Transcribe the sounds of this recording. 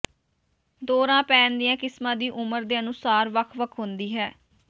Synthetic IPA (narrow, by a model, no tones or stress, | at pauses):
d̪oːɾãːpɛːnd̪ɪjãːkɪsmãːd̪iːʔʊməɾd̪eːənʊ̃saːɾʋəkʰʋəkʰɦʊnd̪iːɦɛː